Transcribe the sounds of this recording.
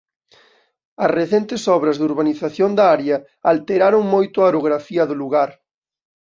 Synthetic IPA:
ɐsreθent̪ɪsɔβɾɐzðuɾβaniθaθjond̪ɐaɾjɐ | alt̪eɾaɾoŋmojt̪ʊaoɾoɣɾafiɐðʊluɣaɾ

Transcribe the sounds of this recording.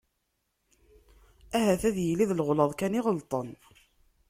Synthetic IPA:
æɦæθæðjəliðlʁləðˤkæniʁəlt̪ˤən

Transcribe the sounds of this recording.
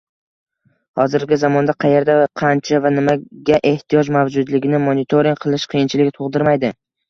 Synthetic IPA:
hɒzɪɾɡʲɪzamɒnd̪aqʰɑje̞ɾd̪aqʰɑnt͡ʃʰavanɪmaɡʲaʔe̞ht̪ʰijɒd͡ʒmavd͡ʒʊd̪lɪɡʲɪnɪmonɪt̪ʰoɾiŋʲqʰɨlˠɪʃqʰijɪnt͡ʃʰɪlɪkʲt̪ʰoʁd̪ɪɾmajd̪ɪ

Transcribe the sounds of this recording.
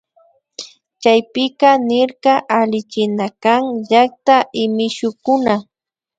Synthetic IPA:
t͡ʃajpɪkɑnɪɾqɑʔalɪt͡ʃɪnakaŋʎak̚t̪aʔɪmɪʃʊkʊna

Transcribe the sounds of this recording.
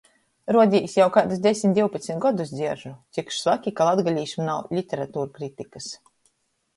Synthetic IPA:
ɾuɔd̪ʲiːjsjawkad̪usd̪ʲesʲmʲit̪d̪ʲiwpat̪sʲmʲit̪ɡɔd̪usd̪zʲiɛɾʒut̪sikʃsvakʲikalˠad̪ɡalʲiːʃmnawlʲit̪ʲeɾat̪uːɾkɾit̪ʲikas

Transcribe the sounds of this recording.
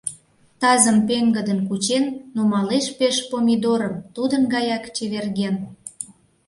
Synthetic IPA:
t̪ɑzəmpeŋɡəd̪ənkut͡ɕenːumɑleʃpeʃpomʲid̪oɾəmt̪ud̪ənɡɑjɑkt͡ɕeβerɣen

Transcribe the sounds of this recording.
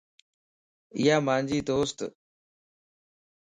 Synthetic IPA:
ɪ̰jaːmãːnd͡ʑiːd̪oːst̪

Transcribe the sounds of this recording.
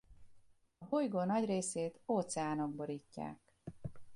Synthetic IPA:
ɒhojɡoːnɒɟreːseːt̪oːt̪sɛaːno̞ɡ̚bo̞ɾiːcːa̰ːk

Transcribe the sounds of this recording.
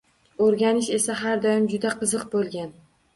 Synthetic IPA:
oɾɡʲanɪʃe̞saɦaɾd̪ɒjɪmd͡ʒʊd̪aqʰɨzɨqbolˠɡʲan

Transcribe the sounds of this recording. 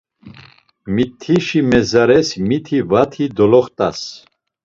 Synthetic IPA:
mit̪ʰːiʃimɛzaɾɛsmit̪ʰivat̪ʰid̪ɔlɔχt̪ʼas

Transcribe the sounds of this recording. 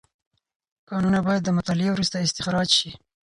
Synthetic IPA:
kɑnunabɑjad̪ːəmʊt̪ɑlɪewɾust̪aɪst̪ɪxɾɑd͡ʒʃi

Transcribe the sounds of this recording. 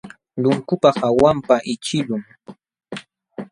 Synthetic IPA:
lʊŋkʊpɑχawampaʔɪt͡ʃɪlʊŋ

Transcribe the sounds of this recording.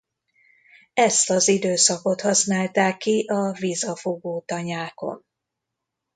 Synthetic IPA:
ɛst̪ɒzid̪øːsɒko̞t̪hɒsnaːlt̪aːkːiʔɒvizɒfoɡoːt̪ɒɲaːko̞̰n

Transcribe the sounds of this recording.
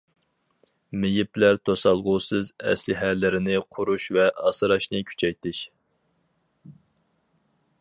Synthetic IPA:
mɪjiplæɾt̪ʰosɑlˠʁʊːsɨzɛ̰slɪɦælːɪɾɪnɪqʰʊɾuʃvɛʔɑsɨɾɑʃnɨkʲʰy̥t͡ʃʰɛjt̪ɪʃ

